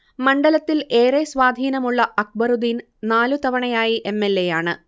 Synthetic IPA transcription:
mɐɳɖɐlɐt̪ːile̞ːresʋaːd̪ʱiːnɐmuɭːɐʔɐk̚bɐɾud̪in | naːlut̪ɐʋɐɳɐjaːjiʔe̞mːelːe̞jaːɳɨ̰

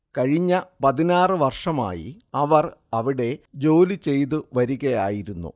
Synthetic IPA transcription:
kɐɻiɲːɐpɐðinaːrɨʋɐrʂɐma̰ːjḭ | ɐʋɐrɐʋiɽe̞d͡ʑo̞ːlit͡ɕe̞jt̪ɨʋɐɾuɣɐja̰ːjiɾunːṵ

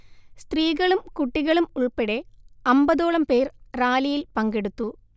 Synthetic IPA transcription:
st̪riːɣɐɭumkuʈːiɣɐɭumuɭpeɽe̞ɐmbɐðo̞ːɭɐmpe̞ːrraːlijilpɐŋɡe̞ɽut̪ːu

